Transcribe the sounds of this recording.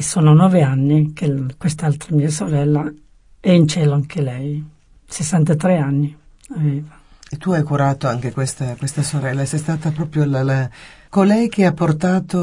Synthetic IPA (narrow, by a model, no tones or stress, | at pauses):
soːnonɔːveanːikekwest̪alt̪ɾamiːasoɾɛlːa | ɛint͡ʃɛːloaŋkʰelɛj | sesːant̪at̪ɾɛanːi | aveːva | et̪ːuajkuɾaːt̪oaŋk̟ekwest̪akwest̪asoɾɛlːasɛst̪aːt̪apɾɔːpɾjolala | kolɛjk̟eapːort̪aːt̪o